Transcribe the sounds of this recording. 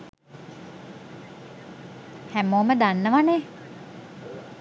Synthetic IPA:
hæmoːməd̪anːəʋanɛ

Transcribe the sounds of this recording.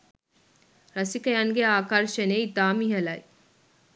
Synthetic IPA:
ɾɐsikɐjaŋɡeaːkɐɾʃɐneit̪aːmiɦɐlɐj

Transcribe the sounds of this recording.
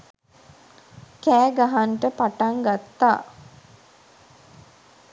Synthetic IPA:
kæːɡaɦaɳʈəpaʈaŋɡat̪ːaː

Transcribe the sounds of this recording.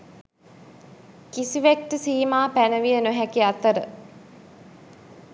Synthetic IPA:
kisiʋekːəsiːmaːpænəʋijənoɦækiat̪əɾə

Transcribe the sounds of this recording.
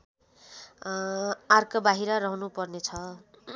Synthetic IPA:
arkʌbaɦiɾʌɾʌɦunupʌrnet͡sʰʌ

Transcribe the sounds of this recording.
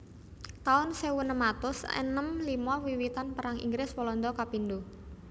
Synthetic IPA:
t̪aʊnsewunəmat̪ʊsḛnəmlimɔwiwit̪anpəɾaŋḭŋɡɾɪswɔlɔnd̪ɔkapind̪u

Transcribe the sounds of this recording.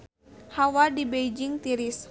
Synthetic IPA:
hawadibejd͡ʒiŋt̪iɾis

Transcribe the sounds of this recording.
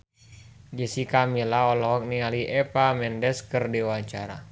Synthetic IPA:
d͡ʒəsikamilaɔlɔɦɔk̚nialiʔɛpamɛndɛskərdiwaɲt͡ʃaɾa̰

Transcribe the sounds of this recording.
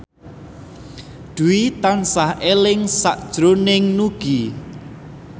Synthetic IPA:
d̪̥uwit̪ansahelɪŋsaʔd̥ʒ̥ɾonɪŋnuɡ̥i

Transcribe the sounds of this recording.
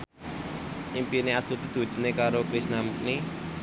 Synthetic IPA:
impineast̪ut̪id̪̥ṳ̥d̪̥ṳnekaɾokɾisnamuk̚ni

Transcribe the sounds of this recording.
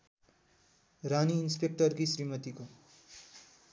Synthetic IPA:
raniːnspek̚ʈʌrkisɾimʌt̪iko

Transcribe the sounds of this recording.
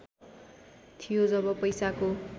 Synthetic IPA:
t̪ʰijod͡zʌbʌpʌjsako

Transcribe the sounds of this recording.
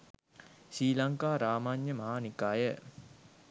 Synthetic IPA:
ʃiːlaŋkaːɾaːmaɲːəmɐɦaːnikaːjə

